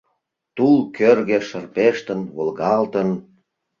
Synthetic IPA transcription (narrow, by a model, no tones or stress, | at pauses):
t̪ulkʰørɣĕʃə̆rpeʃt̪ənβolɣɑlt̪ən